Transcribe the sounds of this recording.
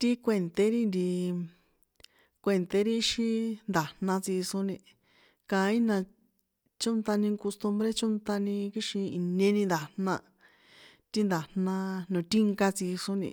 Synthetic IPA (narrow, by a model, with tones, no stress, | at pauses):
t̪i˦kʷe˧˨nt̪e˧˦ɾi˦nd̪i˧ | kʷe˧˨nt̪e˧˦ɾi˦ʃi˦nd̪a˨n̥nã˧t͡si˧so˧˦nĩ˧ | kã˧˦ĩ˦nã˧ | t͡ʃõ˦nt̪a˧nĩ˧ko˧st̪u˧mbɾe˦t͡ʃõ˦nt̪a˧nĩ˧ki˧ʃĩ˧i˨nẽ˧nĩ˧nd̪a˨nnã˧ | t̪i˦nd̪a˨nnã˧nõ˨t̪i˦ŋka˧t͡si˧ʂo˧nḭ̃˧